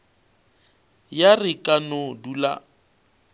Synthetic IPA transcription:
jarɪkʼanodula̰

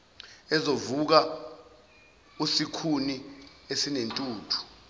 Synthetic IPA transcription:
ɛzovuk̬a | usikʰuniesinentʼuːtʰu̥

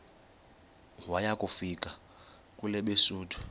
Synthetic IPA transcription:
wajakʼufikʼa | kʼulɛɓesuːtʰu̥

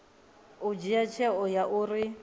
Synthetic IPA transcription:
ʊd͡ʒijat͡ʃʰɛɔjaʔuri

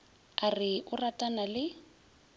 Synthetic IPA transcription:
arɪʔʊratʼanalɪ

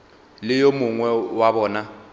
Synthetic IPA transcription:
lɪjomʊŋwɛwabɔːna

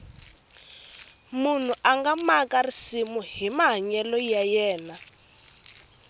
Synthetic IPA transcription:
mun̤uʔaŋɡamakarisimuɦimaɦaɲɛlɔjajɛːna

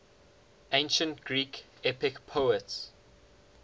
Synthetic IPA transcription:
ẽnʃə̃ntɡ̥ɹiːk | ɛpɪkpʰoʊəts

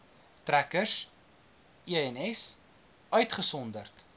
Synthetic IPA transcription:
trækəs | iəɛnɛs | œɥtχəsɔndərt

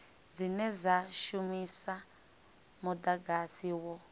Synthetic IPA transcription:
d͡zinɛzaʃumisa | mudaɡasiwɔ

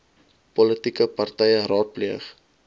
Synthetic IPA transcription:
pɔlətikəpɐrtɛjəɾɑːt̚pliəχ

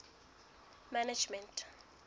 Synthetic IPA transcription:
manad͡ʒmɛntʰʼ

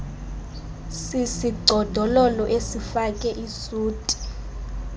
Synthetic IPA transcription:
sisiɡ͡ǀʱɔd̥ʱɔlɔlɔʔesifakʼɛʔisuːtʼi̥

